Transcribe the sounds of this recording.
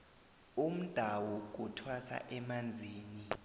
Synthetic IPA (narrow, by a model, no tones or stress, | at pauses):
um̩d̥ʱawɔk̬utʰwatʰa̰ʔɛmand͡zʱiːni